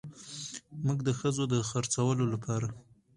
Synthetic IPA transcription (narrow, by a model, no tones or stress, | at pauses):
muɡd̪əxəzod̪əxaɾt͡sawəlolapʰɑɾa